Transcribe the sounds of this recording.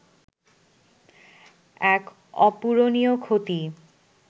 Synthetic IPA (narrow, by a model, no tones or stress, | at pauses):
ɛk | ɔ̰puɾoniokʰot̪i